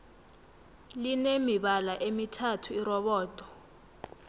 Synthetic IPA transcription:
linemiɓalaʔemitʰatʰuirɔɓɔːtʼɔ̥

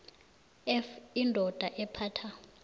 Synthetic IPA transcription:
ɛfindʱɔd̥ʱaʔɛpʰaːtʰa

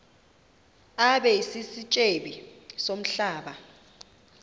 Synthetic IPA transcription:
aɓɛisisit͡ʃʼeɓisom̩ɬaːɓa

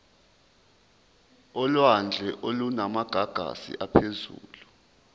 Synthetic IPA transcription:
ɔlwand͡ɮʱɛʔolunamaɡ̥ʱaɡ̥ʱa̰sḭʔapʰezṵːlu

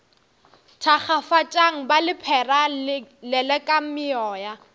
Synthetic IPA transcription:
tʰaχafat͡ʃʼaŋ̩balɪpʰɛralɛlɛkʼam̩mɪɔːja

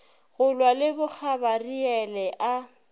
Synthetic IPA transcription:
ɣʊlwalɪbʊk͡xʰabariɛlɛʔa

